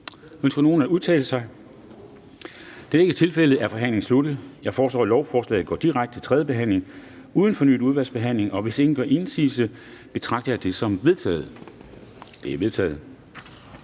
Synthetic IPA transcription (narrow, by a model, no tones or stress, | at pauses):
øn̰sɡ̥ɐno̝ːn̩æuðˠt͡sʰɛ̰ːlsɑ̈ɪ | d̥e̝æɐe̝ɡ̥ət͡sʰe̝lfel̰əð̩ˠæɐfɒ̽ɦæn̰le̝ŋnslud̥ð̩ˠjɑ̈ɪfɒːslɒ̰ːlɒʊfɒːslɛ̰ːð̩ˠɡɒ̰ːd̥iʁaɡ̥d̥ə̥t͡sʰe̝̥t͡sʰʁɛðˠəb̥e̝ɦæn̰le̝ŋ | uð̞ˠn̩fɒ̽ny̰ːd̥uð̞ˠʋæl̰sb̥e̝ɦæn̰le̝ŋɒ̽ʋe̝se̝ŋn̩ɡ̥ɶɐʔe̝nsiːsəb̥e̝t͡sʰʁɑ̈ɡ̥d̥ɐjɑ̈d̥e̝sɒ̽mʋe̝ðˠt͡sʰɛ̰ːð̞̩ˠ | d̥e̝æɐʋe̝ð̞ˠt͡sʰɛ̰ːð̞̩ˠ